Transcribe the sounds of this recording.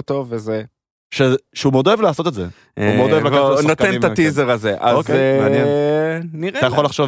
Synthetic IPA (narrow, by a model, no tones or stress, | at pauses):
t̪o̞veze | ʃeʃeumeo̞d̪o̞evlaːso̞t̪e̞tzḛ | umeodoevlaannot̪ent̪atizeʁazeʔaokanɛ | niʁaajaχo̞laχʃov